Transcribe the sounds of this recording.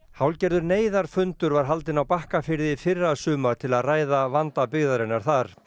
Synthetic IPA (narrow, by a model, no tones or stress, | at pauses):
hawlcɛɾðʏɾneːjðaɾ̥fʏnt̪ʏɾvaɾ̥ɦal̪t̪ɪnawpahkafɪɾðɪfɪrːasʏːmḁt̪ʰɪlaðraːjðavant̪apɪɣðaɾɪnːaɾ̥θaɾ̥